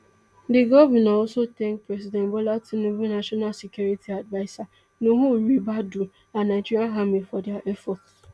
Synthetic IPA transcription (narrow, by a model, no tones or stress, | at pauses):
dɪɡɔvɛnaɔlsotɛ̃ŋk̚pɾɛs̬idɛnbolatinuvunaʃɔnalsekjuɾitʰiadvaɪsa | nuɦumibadu | anaɪd͡ʒiɾaɦamifɔdɛaʔɛfɔts